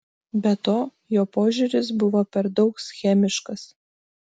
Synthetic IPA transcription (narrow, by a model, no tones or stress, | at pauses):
bʲɛt̪oː | joːpoːʒʲʊɾʲɪs̬bʊʋoːpʲɛɾd̪ɒʊksʲxʲæːmʲɪʃkɐs